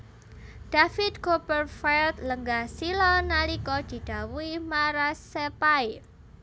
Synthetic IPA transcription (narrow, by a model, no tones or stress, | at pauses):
d̪̥afɪt̪̚kopərfalt̪ləŋɡahsilɔnalikɔd̪̥i̤d̪̥a̤wuimaɾasepaj